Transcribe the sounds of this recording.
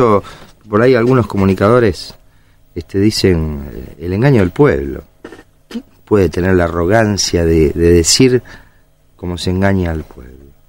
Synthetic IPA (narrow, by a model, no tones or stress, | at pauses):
o | po̞ɾajalɣuno̞sko̞munikaðo̞ɾes | est̪eðisen̰eleŋɡaɲoðelpwḛβlo̰ | pweðet̪eneɾlaːro̞ɣ̞ansjaðeðeðesiɾ | ko̞mo̞seeŋɡaɲaːlpwḛβlo